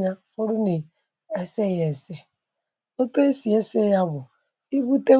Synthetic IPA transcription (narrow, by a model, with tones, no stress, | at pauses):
ɲa˦fʊ˦ɾʊ˦ni˨ | e˦se˦je˨se˦ | o˦to˦e˦si˨e˦se˦ja˦bʊ˨ | i˦bu˦te˦